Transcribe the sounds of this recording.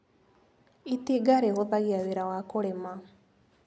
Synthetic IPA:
it̪iɡaɾeɦod̪aɡiaʋiɾaʋakoɽema

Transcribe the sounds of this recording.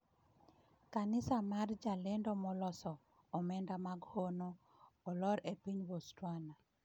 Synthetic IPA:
kanɪsamard͡ʒalendɔmɔlɔsɔː | mɛndamaɡhonoː | lɔɾepiɲwostwana

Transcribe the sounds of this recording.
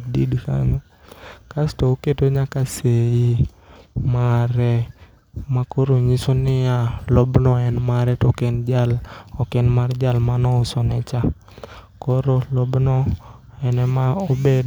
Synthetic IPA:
didka̰ɲo | kastooketoɲakaseji | maɾɛ | makoɾoɲisonɪjalɔbnɔɛnmaɾɛtokend͡ʒalɔkenmard͡ʒalmanɔʊsɔnɛt͡ʃa | kɔɾolɔbnɔ | ɛnɛmaobed

